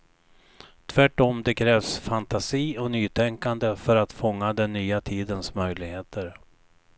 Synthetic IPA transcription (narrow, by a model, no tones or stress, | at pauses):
t̪ʰvæʈːɔmd̪ɛkʰɾɛːvsfant̪asiːɔnyːt̪ʰɛŋkand̪əfœɾat̪fɔŋːad̪ɛnːyːat̪ʰiːd̪ənsmœjlɪɡheːt̪əɾ